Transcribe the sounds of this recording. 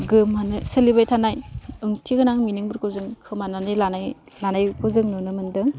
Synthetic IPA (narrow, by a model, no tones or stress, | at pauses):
ɡɯmanɯselibajtʰanajɯŋtʰiɡɯnaŋminɯŋbɯɾkɯwzɯŋkʰɯmananɯjlanaj | lanajpʰɯzɯŋnɯnɯmɯndɯŋ